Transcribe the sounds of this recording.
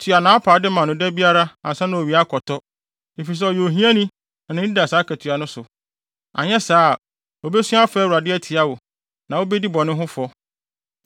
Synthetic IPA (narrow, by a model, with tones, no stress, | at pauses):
tʰɥa˨nã˨˦a˦pʰaː˨˦dɪ˦mã˨nʊ̃˨dɛ˦bi˦a˦ɾa˦ã˨sã˦nã˨o˨ɥi˨a˦kʰɔ˨tʰɔ˦ | e˨fi˨s̬ɛ˦ɔ˨jo˨o˨ɦĩ˦ã˦nĩ˦˨ | nɪ̃˦da˨saː˨˦kʰɛ˨tʰɥa˨nʊ̃˦sʊ˨ | a̰˨ɲɛ˦saː˦˨ | o˨bɛ˦sũ˦a˦fɛː˦wu˨ɾa˨dɪ˦ɛ˦tʰi˨a˦wo˨ | nã˨wo˦bɛ˦di˦bɔ̃˨nʊ̃˦ɦʊ̃˦fɔ˦